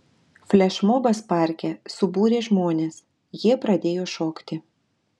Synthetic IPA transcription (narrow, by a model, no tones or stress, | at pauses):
fʲlʲɛʃmoːbɐspɑˑɾʲkʲɛsʊbuːɾʲeːʒmoːnʲeːs | jiɛpɾɐd̪ʲeːjoːʃoːkt̪ʲɪ